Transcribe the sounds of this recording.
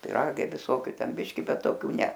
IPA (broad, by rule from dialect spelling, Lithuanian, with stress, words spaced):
pʲɪˈrɑːɡɐɪ ʋʲɪˈsoːkʲʊ ˈtʲɛn ˈbʲɪʃʲkʲɪ ˈbʲɛt toːˈkʲuː ˈnʲɛ